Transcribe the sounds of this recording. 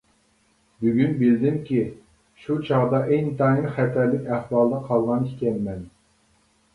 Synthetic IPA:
byɡʲynbɪld̪ɪŋkʲi | ʃut͡ʃʰɑʁd̪ɑʔejt̪ʰɑjinχɛt̪ʰɛɾlːɪkʲæχwɑlˠd̪ɑqʰɑlˠʁɑnikʲɛnmɛn

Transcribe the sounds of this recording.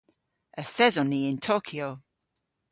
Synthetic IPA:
əθɛzɔniɪ̃ntʰoːkʰio

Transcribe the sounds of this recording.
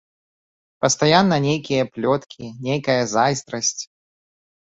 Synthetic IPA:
pɐst̪ajanːɐnʲejkʲijɐplʲɔt̪kʲiinʲejkɐjɐzajst̪ɾɐsʲt͡sʲ

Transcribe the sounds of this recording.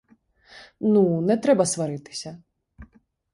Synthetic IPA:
nunɛt̪ɾɛbɐsvaɾɨt̪ɨ̥sʲɐ

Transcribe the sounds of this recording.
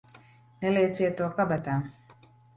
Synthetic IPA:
nɛlet͡set̪okabat̪am

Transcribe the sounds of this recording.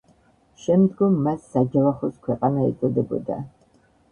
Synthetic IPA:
ʃɛmd̪ɡʊmːasaɡɛlaχʷɔskʷʰɛqʼanaḭt͡sʼɔd̪ɛbɔ̰d̪a̰

